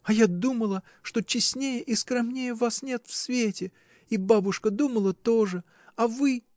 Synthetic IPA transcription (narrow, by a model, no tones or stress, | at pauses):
ɐjad̪uməlˠə | ʂt̪o̞t͡ɕɪsʲnʲejəʔiskɾɐmnʲejəvasnʲe̞t̪fsvʲetʲɪ | ibabʊʂkəd̪uməlˠət̪o̞ʐɨ | ɐvɨ